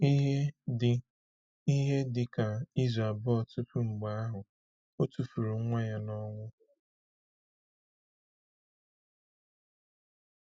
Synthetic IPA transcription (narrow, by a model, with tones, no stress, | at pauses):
i˦ɦ | i˦ɦe˦dɪ˨ka˨i˦za˨bɔ˦ɔ˨tu˦fu˦ŋ͡m̩˨ɡ͡ba˦a˦ɦʊ˨ | o˦tu˨fu˨ɾu˨˦ŋʷa˦ja˦nɔ˦ŋʷʊ˦